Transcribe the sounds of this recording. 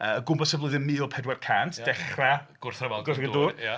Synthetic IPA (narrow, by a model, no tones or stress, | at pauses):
əːəɡʊmbɔsəvlˠɨðənmɪːɔlˠpʰɛdwɛrkʰantʰd̥ɛχraɡ̥ʊrθrəvaɡʊrθəduːa